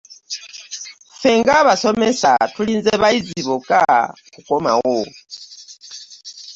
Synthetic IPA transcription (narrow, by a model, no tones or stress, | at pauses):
feːŋɡaβasomesa̰tuliːnzeβaiziβuka̰kukoma̰wo